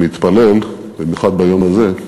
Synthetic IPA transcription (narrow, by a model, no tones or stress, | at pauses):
it̪pale̞l | bemjuχad̪̚bajomaze̞